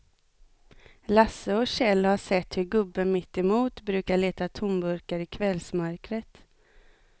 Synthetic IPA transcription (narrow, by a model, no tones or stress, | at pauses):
lasːəɔɕɛlːhaʂɛt̪ːhɵɾɡɵbːənmɪt̪ːɛmuːt̪bɾʉ̟ːkaɭeːt̪at̪ʰʊmbɵɾkaɾɪkʰvɛlsmœɾkɾət̪